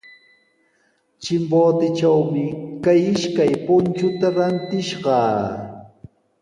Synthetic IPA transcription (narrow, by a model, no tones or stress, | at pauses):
t͡ʃɪmboːt̪ɪt͡ʃawmɪkajɪʃkajpʊnt͡ʃʊt̪aɾant̪ɪʃɢɑː